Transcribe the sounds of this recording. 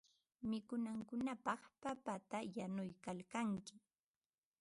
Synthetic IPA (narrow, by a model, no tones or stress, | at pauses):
mɪkʊnaŋkʊnapɑχpapat̪ajanʊjkalkaŋkɪ